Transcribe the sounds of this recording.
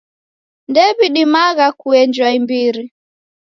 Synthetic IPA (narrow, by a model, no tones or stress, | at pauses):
ndɛβiɗimaɣakuɛnd͡ʒwaimbiɾi